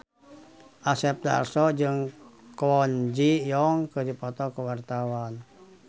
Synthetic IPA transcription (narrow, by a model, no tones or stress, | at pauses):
ʔasɛp̚da̰rsɔd͡ʒɨŋkɔnd͡ʒijɔŋkədipɔt̪ɔkəwart̪awan